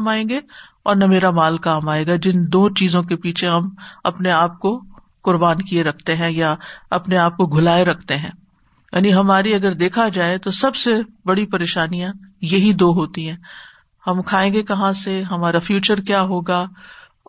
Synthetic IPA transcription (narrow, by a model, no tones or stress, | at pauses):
maːẽːɡe | ɔ̰ːɾnɐmeːɾamaːlkaːmaːeːɡad͡ʒɪnd̪oːt͡ʃiːzõkepiːt͡ʃʰeɦɐmɐpneaːp̚ko | kʊɾbaːnkieɾɐkʰt̪eɦɛ̃jaɐpneaːp̚koɡʱʊlaːeɾɐkʰt̪eɦɛ̰̃ː | ja̰ːniɦɐmaːɾiɐɡəɾd̪eːkʰad͡ʒaːet̪osɐbsebɐɽipɐɾeːʃaːnijãjɐɦid̪oːɦoːt̪ĩɦɛ̃ː | hɐmkʰaːẽːɡekɐɦãseɦɐmaːɾafjuːt͡ʃəɾkjaːɦoːɡaː